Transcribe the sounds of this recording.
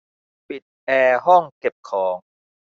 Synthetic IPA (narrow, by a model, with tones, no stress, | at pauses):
pi˨˩t̪̚ʔɛː˧ɦɔ˥˩ŋke˨˩p̚kʰɔː˩˦ŋ